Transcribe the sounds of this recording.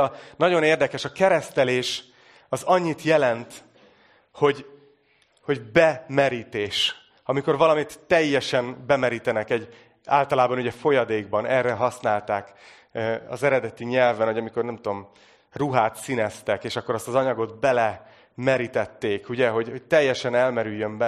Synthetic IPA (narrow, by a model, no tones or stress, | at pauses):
nɒɟo̞neːrd̪ɛkɛʃɒkɛɾɛst̪ɛleːʃ | ɒzɒɲːit̪jɛlɛnt̪ | ho̞ɟ | ho̞ɟbɛmɛɾiːt̪eːʃ | ɒmiko̞rvɒlɒmit̪ːɛjːɛʃɛnbɛmɛɾiːt̪ɛnɛkɛɟ | a̰ːlt̪ɒlaːbɒnuɟɛfo̞jɒd̪eːɡbɒnɛrːɛɦɒsnaːlt̪aːk | ɒ̰zɛɾɛd̪ɛt̪iɲɛlvɛnho̞jɒmiko̞rnɛmt̪uo̞m | ruɦaːt̪sinɛst̪ɛkeːʃɒkːo̞ɾɒst̪ɒzɒɲɒɡo̞d̪bɛlɛ | mɛɾit̪ɛt̪ːeːkuɟɛɦo̞ɟho̞c̚t̪ɛjːɛʃɛnɛlmɛɾyjːømbɛ